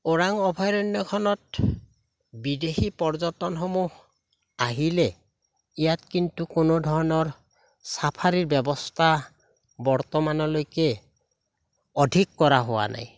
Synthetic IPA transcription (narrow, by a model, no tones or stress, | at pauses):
oɹaŋɔbʱajɹɔnjɔkʰɔnɔt̚ | bidexipɔɹzɔtɔnxɔmuh | aɦilɛ | ijatkintukonodʱɔɹɔnɔɹ | sapʰaɹiɹbɛbɔstʰa | bɔɹt̪ɔmanɔlojkɛ | ɔdʱikːɔɹaɦowa̰nʔa̰j